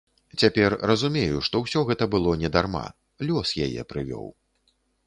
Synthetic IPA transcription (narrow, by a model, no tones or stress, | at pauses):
t͡sʲapʲɛrrɐzumʲejuʂt̪ɔwsʲɔɣɛt̪ɐbɨlˠɔnʲɛd̪arma̰ | lʲɔsjajɛ̰pɾɨvʲɔ̰w